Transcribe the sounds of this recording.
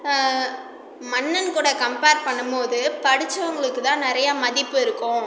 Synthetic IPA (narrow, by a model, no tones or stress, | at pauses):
mɐɳːɐnkuːɽɐkɐmpeːɾ̚pɐɳːɯmpoːðɯpɐɽɪt͡ʃːɐʋɐŋɡɐɭɯkːɯt̪ãːnɪɾɐjaːmɐðɪpːɯɪɾɯkːʊ̃